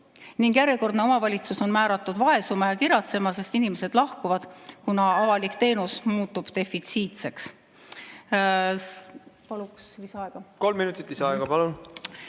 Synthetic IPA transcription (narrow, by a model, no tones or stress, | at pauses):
niŋɡ̥jæɾjeko̞rd̪ne̞o̞mɑvɑlʲit̪suso̞nmæːɾɑt̪ːˑud̪̥vɑe̞sumɑjɑkiɾjɑt̪se̞mɑse̞st̪inime̞se̞d̪̥lɑhkuvɑd̪̥kunɑɑvɑlikt̪e̞ːnusmuːt̪ːˑub̥t̪e̞fit̪siːt̪se̞ks | pɑluksvisɑɑeɡ̥ɑko̞lmːinut̪ːˑit̪lisɑɑeɡ̥ɑpɑlun